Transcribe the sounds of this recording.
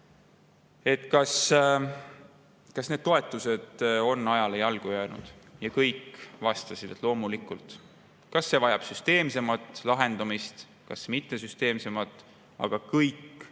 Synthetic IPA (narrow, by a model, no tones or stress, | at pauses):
e̞t̪kɑs | kɑsne̞d̪̥̚t̪o̞e̞t̪ːˑuse̞d̪̥o̞nːɑjɑlejɑlɡ̥ujæːnṵd̪̥jɑkɤjkːvɑst̪ɑsid̪̥et̪ˑlo̞ːmulikːˑult̪ | kɑsːe̞vɑjɑb̥syst̪e̞ːmse̞mɑt̪ːˑlɑɦe̞nd̪̥ɑmist̪ | kɑsmit̪ːe̞syst̪e̞ːmse̞mɑt̪ˑː | ɑ̰ɡ̥ɑkɤjk